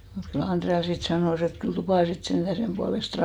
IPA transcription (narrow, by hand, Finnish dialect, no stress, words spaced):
mut kyl ɑnd̥reɑ sit sɑnoˑs et kyl tupɑˑ sit send̥æ semb̥uɑlest